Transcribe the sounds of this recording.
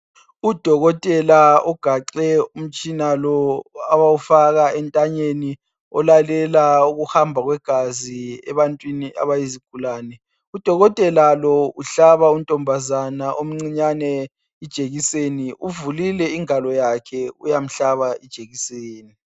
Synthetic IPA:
ud̥ʱɔɣɔtʼɛlaɔɡ̥ʱaǃɛum̩t͡ʃʼinalɔaβaufaɣaɛntʼaɲeni | ɔ̰lalɛlauɣuhambʱaɣwɛɡ̥ʱaziɛ̰βantʼwiniʔa̰βajiziɡ̥ʱulaːnɛ | ud̥ʱɔɣɔtʼɛlalɔuɬaβauntʼɔmbʱazanaʔom̩ŋ͡ǀiɲanɛ | id̥ʒ̥ʱeɣiseniuvulilɛiŋalɔjakʰɛujam̩ɬaβaʔid̥ʒ̥ʱeɣiseːni

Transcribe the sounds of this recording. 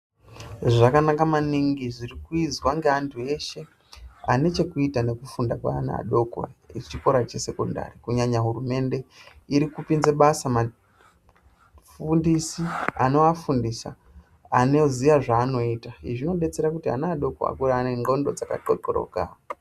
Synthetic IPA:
ʐakanakamaniŋɡiʐirikuizwaŋɡeantʰue̞ʃe̞ | ane̞t͡ʃe̞kuitane̞kufundakwa̰ːnaa̰ɗo̞ko̰it͡ʃiko̞ɾat͡ʃe̞se̞konda̰rikuɲaɲaɦurume̞nde̞iɾikupinzeɓasama | fundisiano̞afundisa̰ | ano̞zijaʐaːno̞itaiʐino̞ɓe̞t͡se̞ɾakutia̰naaɗo̞ko̰a̰kuɾaːne̞ŋɡo̞ndo̞d͡zaka̰tokoɾo̰ɡa̰

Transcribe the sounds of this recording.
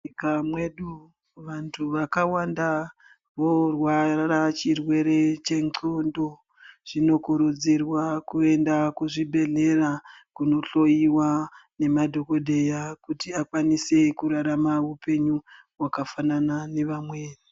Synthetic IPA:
kamwe̞ɗu | ʋantʰuʋakawanda | ʋo̞rwarat͡ʃirwe̞ɾe̞t͡ʃe̞ŋǀondo | ʐ̥ino̞kuɾud͡zirwakue̞ndakuʐibʱe̞ɮe̞rakuno̞ɬojiwane̞madʱo̞ko̞dʱe̞jakutiakwanise̞kuɾaɾamaupe̞ɲu | wakafananane̞ʋamweːɗu

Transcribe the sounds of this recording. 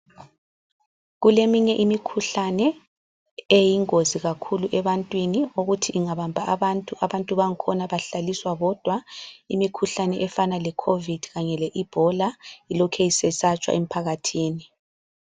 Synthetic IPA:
ɣulemiɲɛʔimikʰuɬanɛ | ejiŋoziɣakʰuluʔɛβantʼwinioɣutʰiʔːŋaβambʱaʔaβantʼuʔaβantʼuβaŋ̩kʰɔnaβaɬaliswaɣɔd̥ʱwaḭmikʰuɬanɛʔɛfanalɛkʰovid̥ʱɣaɲɛlɛʔib̥ʱɔlailɔkʰɛisɛsat͡ʃʼwa̰ʔem̩pʰaɣatʰiːni

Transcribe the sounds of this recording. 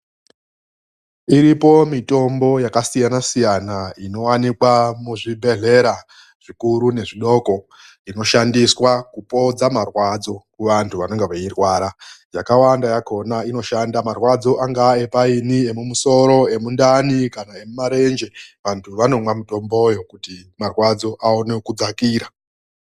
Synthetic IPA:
iɾipo̞mito̞mbo̞jakasijanasijanaino̞wanikwamuʐibʱe̞ɮe̞ɾa | ʐ̥ikuɾune̞ʐiɗo̞ːko | ino̞ʃandiswakupo̞d͡zamarwad͡zo̞kuʋantʰuʋano̞ŋɡe̞ʋairwaːɾajakawandajako̞naino̞ʃandamarwad͡zo̞ʔaŋɡae̞painie̞mumuso̞ɾo̞e̞mundanikanae̞mumaɾe̞nd͡ʒe̞ʋantʰuʋano̞mwamuto̞mbo̞jo̞kutimarwad͡zo̞ʔaonekud͡zakiːɾa

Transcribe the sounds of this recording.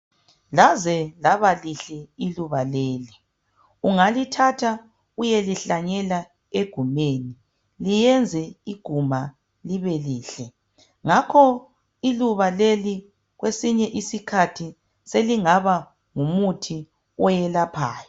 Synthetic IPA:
lazɛlaβaliɬɛiluβaleːli | uŋalitʰatʰa | ujeliɬaɲɛla | eɡ̥ʱumeni | lijɛnd͡zʱɛiɡ̥ʱuma | liβɛliːɬɛ | ŋakʰɔ | iluβaleli | ɣwesiɲɛʔisikʰatʰi | seliŋaβa | ŋumutʰi | ɔjɛlapʰaːjɔ

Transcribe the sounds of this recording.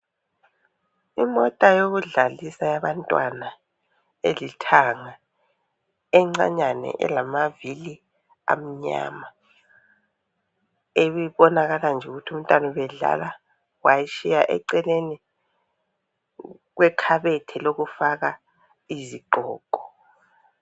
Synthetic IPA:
imɔtʼajoɣuɮalisajaβantʼwana | elitʰaŋa | ɛŋ͡ǀa̰ɲanɛ̰ʔɛ̰lamavili | a̰m̩ɲa̰ma | eβiβɔnaɣaland͡ʒʱɛuɣutʰum̩tʼanɔβɛɮa̰la | wajiʃijaʔɛ̰ǀɛleni | ɣwɛkʰaβɛtʰɛloɣufaɣa | iziɡ͡ǃʱɔːɡ̥ʱɔ̥

